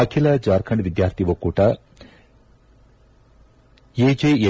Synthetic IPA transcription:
akʰilɐd͡ʒaːɾkʰɐɳɖʋid̪jaːɾt̪ʰiʋokuʈa | jed͡ʒejɐ

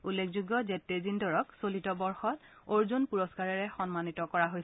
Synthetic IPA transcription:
ulːekʰzuɡjɔzetːezindɔɹɔksolitɔbɔɹxɔtoɹzunpuɹɔskaɹɛɹɛxɔnmanitɔkɔɹaɦoj

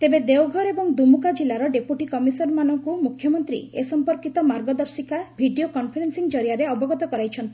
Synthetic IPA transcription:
t̪ebed̪ewɡʱɔɾebɔŋd̪umukad͡ʒilaɾɔɖepuʈikɔmisɔɾmanɔŋkumukʰjɔmɔnt̪ɾḭesɔmpɔɾkit̪ɔmaɾɡɔd̪ɔɾsikabʱiɖiokɔnpʰeɾensiŋd͡ʒɔɾijaɾeɔbɔɡɔt̪ɔkɔɾajt͡ʃʰɔnt̪ʰi

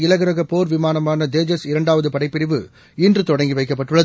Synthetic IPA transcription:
ɪlɐɣɐɾɐɣɐpoːɾʋɪmaːnɐmaːnɐd̪eːd͡ʒɐsɪɾɐɳɖaːʋɐðɯpɐɽɐɪpːɪɾɪʋɯ | ɪndrɯt̪ɔɽɐŋɡiʋɐɪkːɐpːɐʈːɯɭːɐ

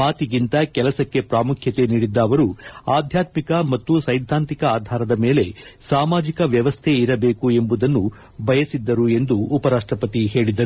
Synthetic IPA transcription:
maːt̪iɡint̪ɐkɛlɐsɐkːe̞pɾaːmukʰjɐt̪e̞niːɽid̪ːɐːʋɐɾuaːd̪ʱjaːt̪mikɐmɐt̪ːusɐjd̪ʱːaːnt̪ikɐaːd̪ʱaːɾɐd̪ɐme̞ːle̞saːmaːd͡ʒikɐʋjɐʋɐst̪ʰeiɾɐbe̞ːkue̞mbud̪ɐnːu | bʱɐjɐsid̪ːɐɾue̞nd̪uːpɐɾaːʂʈɾɐpɐt̪iɦe̞ːɭid̪ɐɾu

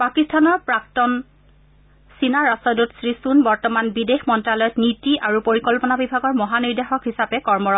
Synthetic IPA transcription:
pakistʰanɔɹpɹak̚tɔn | sinaɹasɔdutsɹisunbɔɹtɔmanbidexmɔntɹalɔjɔtnitiʔaɹupoɹikɔlpɔnabibʱaɡɔɹmɔɦaniɹdexɔkɦisapɛkɔɹmɔɹɔ

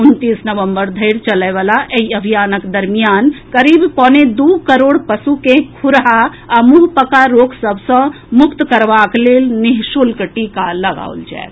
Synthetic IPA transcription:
unt̪isnəʋəmbəɾd̪ʱəɪɾt͡ʃələɪʋalaʔeiəbʱijanəkd̪əɾmijankəɾibpɔ̃ned̪ukəɾoːɽpəsukẽkʰuɾɦa | amuɦpəkaɾoksəbʱsə̃ | mʊkt̪kəɾbaklelniɦsulkəʈikaləɡa̰ṵld͡ʒa̰e

